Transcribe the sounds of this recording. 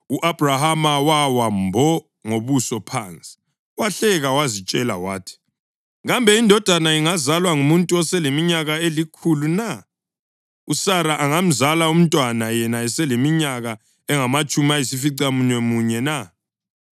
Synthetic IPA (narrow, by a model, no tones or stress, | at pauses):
uʔab̥ʱrahamawawambʱɔ | ŋoβusɔpʰant͡sʼi̥ | waɬɛɣawazit͡ʃʼɛla̰wa̰ːtʰi̥ | ɣambʱɛindʱɔd̥ʱanaiŋazalwaŋumuntʼuɔsɛlemiɲaɣaelikʰuluna | usaɾaʔaŋam̩zalaum̩tʼwanajɛnaɛsɛlemiɲaɣa | ɛŋamat͡ʃʼumaisifiǀamunɛmuɲɛna